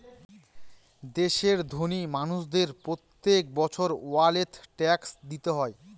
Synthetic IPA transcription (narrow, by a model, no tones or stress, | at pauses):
d̪eʃeɾd̪ʱonimanuʃd̪eɾpɾot̪ːek̚bɔt͡ɕʰoɾoalet̪ʰʈɛksd̪it̪eɦɔe